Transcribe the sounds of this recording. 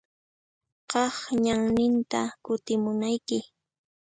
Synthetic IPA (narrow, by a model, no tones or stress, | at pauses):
qɑχɲaŋnɪnt̪akʊt̪ɪmʊnajkɪ